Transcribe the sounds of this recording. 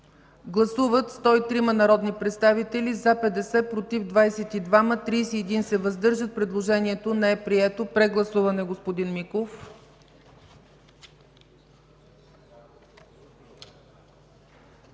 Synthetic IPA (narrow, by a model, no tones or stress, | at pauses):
ɡlˠɐsuvət̪st̪ɔit̪ɾimɐnɐɾɔd̪nipɾɛt̪st̪avit̪ɛlizapɛd̪ɛsɛpɾot̪ivd̪vajsɛt̪id̪vamət̪ɾijsiɛd̪insɛvəzd̪ɤɾʒət̪̚pɾɛd̪lˠoʒɛniɛt̪onɛɛpɾiɛt̪opɾɛɡlˠɐsuvɐnɛɡospod̪inmikof